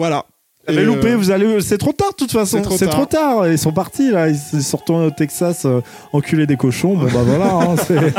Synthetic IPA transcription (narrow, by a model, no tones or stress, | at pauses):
vwala | bɛlupevuzalesɛt̪χot̪aʁd̪ət̪ut̪fasɔ̃sɛt̪χot̪aːʁøilsɔ̃paʁt̪ilaiilsɔʁt̪ɔ̃t̪ɛksasø | ɑ̃kʲʰyled̪ekɔʃɔ̃bɔ̃bavwalaɛ̃sɛ